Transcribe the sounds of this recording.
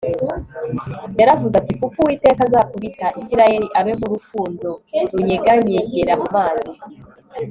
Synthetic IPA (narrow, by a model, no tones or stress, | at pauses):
jaɾavuzatikukuwiːte̞ːkazakuβitaʔisiɾaje̞ɾiʔaβemuɾufuːnzotuɲeɡaɲeɟeɾamumaːzi